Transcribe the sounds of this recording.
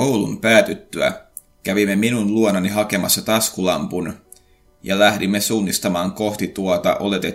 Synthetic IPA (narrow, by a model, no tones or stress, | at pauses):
owlṵmpæːt̪yt̪ːyæ̰ | kæʋimːeminunluononiɦɑke̞mɑ̰sːɑt̪ɑskulɑmpun | jɑ̰læhdimːesuːnːist̪ɑmɑːŋko̞ht̪it̪uot̪ɑ̰ʔo̞le̞t̪e